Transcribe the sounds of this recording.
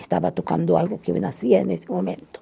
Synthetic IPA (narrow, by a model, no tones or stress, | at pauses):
st̪aβat̪okand̪oalɣokeḛnasiaenesemomẽnt̪o̥